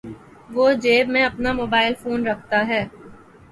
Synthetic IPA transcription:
ʋoːd͡ʒeːbmẽɐpnamoːbaːɪlfoːnɾɐk̚ʰt̪aɦɛː

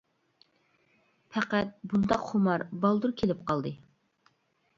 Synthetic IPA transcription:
pʰæqæt̪̚bund̪ɑqχumɑɾbɑlˠd̪uɾkʲʰelɪp̚qʰɑlˠd̪ɨ

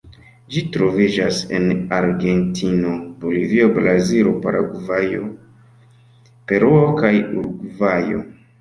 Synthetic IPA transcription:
d͡ʒitɾo̞vid͡ʒase̞̰naɾɡe̞ntʰino̞bolivio̞bɾaziɾopaɾa̰ɡuvajo̞ | pe̞ɾuokajuɾɡvajo̞̰

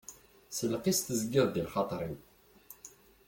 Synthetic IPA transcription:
səlːqist̪əzɡɪðd̪ilχɑt̪ˤɾˤin

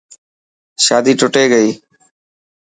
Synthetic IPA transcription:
ʃaːd̪iːʈʊʈeːɡəiː

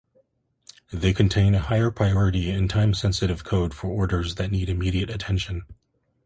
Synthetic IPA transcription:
ðeɪkʰɨ̃n̩tʰẽɪ̃nɨhaɪə˞pʰɹ̥aɪɔɹɨɾiɪ̃ntʰãɪ̃msɛ̃nsɨɾɨv̥kʰoʊd̥fə˞ɔɹɾə˞zðɨtⁿniɾɨmiɾiɨɾɨtʰɛ̃nʃɨ̃n

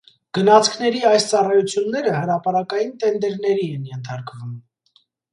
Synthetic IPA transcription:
ɡ̥ənɑt͡sʰkʰn̪ɛɾiɑjst͡sɑrɑjut͡sʰjunːɛɾəhəɾɑpɑɾɑkɑjint̪ɛnd̪ɛɾnɛɾiɛnjɛnt̪ʰɑɾkvum

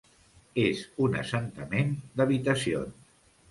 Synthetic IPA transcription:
ezunə̰sənt̪əmend̪əβit̪əsio̰ns

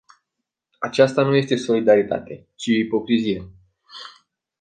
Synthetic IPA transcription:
at͡ʃast̪anuje̞st̪e̞so̞lid̪aɾit̪a̰t̪e̞ | t͡ʃiːpo̞kɾizije

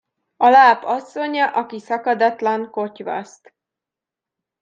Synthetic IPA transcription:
ɒlaːpɒsːo̞ɲɒʔɒkisɒkɒd̪ɒt̪lɒŋko̞cʋɒ̰st̪

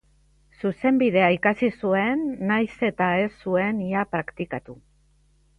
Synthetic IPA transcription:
suse̞mbið̞e̞aikasisue̞nːajse̞t̪ae̞sːue̞niapɾakt̪ikat̪u

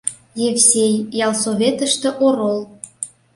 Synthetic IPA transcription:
jefsʲejjɑlˠsoβʲet̪ə̆ʃt̪ĕʔoɾolˠ

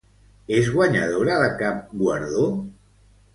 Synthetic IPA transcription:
ezɣwaɲa̰ðoɾaðəkap̚ɡwaɾðo

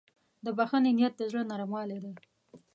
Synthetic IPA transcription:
d̪əbaxanɪnijat̪̚d̪əzɽənɑɾamwɑled̪e

